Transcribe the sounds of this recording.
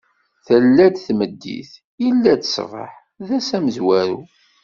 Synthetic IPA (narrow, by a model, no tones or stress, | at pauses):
θəlːæd̪θməd̪ːḭθ | ilːæt͡s̪ə̥svˤə̰ħ | ðæsæməzwæɾu